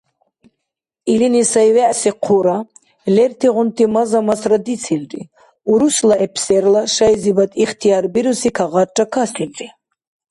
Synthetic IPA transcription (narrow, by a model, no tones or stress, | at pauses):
ilinisajvɛʔsiqʰuɾa | lɛɾt̪ʰiʁunt̪ʰimazamasɾad̪it̪t͡sʰilɾḭ | uɾuslaɛpʰsɛɾlaʃajzibat̪ʼiχt̪ʰijaɾbiɾusikʰaʁat͡ʃʼakʰasinqʼi